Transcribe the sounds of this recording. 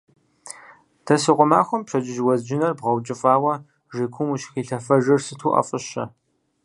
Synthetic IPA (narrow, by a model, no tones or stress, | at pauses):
tʰɐsiqʷʊmaːxʷʊmpɕɐt͡ʃʼɪʒwɐzd͡ʒɪnɐrbʁɐwt͡ʃʼɪfʼaːwɐ | ʒekʷʰʊmuʃxiːɬɐfɐʒɪrsɨtʰuːʔɐ̰fʼɨɕɐ̰